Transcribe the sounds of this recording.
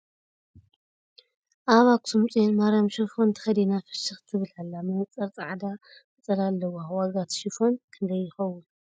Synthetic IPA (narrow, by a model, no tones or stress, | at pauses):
ʔaβakʼsʰumt͡sʼenmaɾamʃifo̞nt̪ʰɨ̥xɐd̪inafɨ̥ʃɨxt̪ʰɨβɨlalːamɐt͡sʼːɐɾt͡sʼaʕd̪akɨt͡sʼɐlalːɐwawaɡat̪ʃifo̞nkʰɨnd̪ɐjːɪxɐwun